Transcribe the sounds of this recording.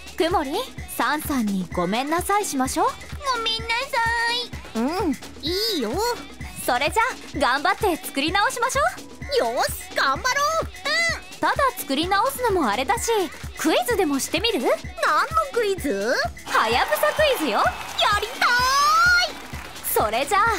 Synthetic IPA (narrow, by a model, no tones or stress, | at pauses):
kɯ̟mo̞ɾʲisãɰ̃sãɲ̟ːiɡo̞mẽ̞nːasaiɕimaɕo̞ː | momʲĩnːasaiɯ̟̃ | iːjoso̞ɾe̞d͡ʑa | ɡãmbat̪ːe̞t͡sɨ̥kɯ̟ɾʲinao̞ɕimaɕo̞ː | jos | ɡ̥ãmbaɾoːɯ̃ | t̪ad̪at͡sɨ̥kɯ̟ɾʲinao̞sɨno̞moaɾe̞d̪aɕikɯ̟izɨd̪e̞mo̞ɕi̥t̪e̞mʲiɾɯ̟nãnːokɯ̟izɨhajabɯ̟sakɯ̟izɨjojaɾʲit̪ai | so̞ɾe̞d͡ʑa